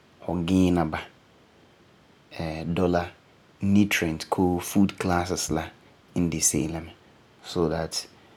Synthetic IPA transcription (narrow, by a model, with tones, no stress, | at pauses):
hɔ˨ɡɪ̃˦nã˨ba˨ | ɛ˨dɔ˦la˨ | nĩ˦tʰɾɛ̃˨ntkʰo˦fu˦dkʰla˦sɪ˨slã˦ | n̩˦dɪ˨sḛ˦lã˨mɪ̃˨ | so˨ða˨t